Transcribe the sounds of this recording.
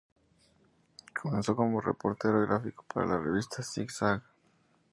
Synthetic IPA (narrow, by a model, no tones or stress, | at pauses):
kʰo̞menso̞ko̞mo̞rḛpo̞ɾt̪eɾoɣɾafiko̥paɾa̰lareβ̞ist̪ʰasiksaɣ